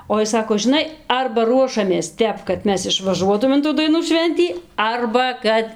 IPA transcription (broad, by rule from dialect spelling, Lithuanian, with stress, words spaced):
oː ˈɪs ˈsɑːkoː ʒʲɪˈnɐɪ ˈɐrbɐ ˈruɔʃɐmʲeːs ˈtʲɛp kɐt ˈmʲɛs ɪʃʋɐˈʒuɔtuːm ɪn ˈtuː dɐɪˈnuː ˈʃʲʋʲɛnʲtʲiː ˈɐrbɐ ˈkɐt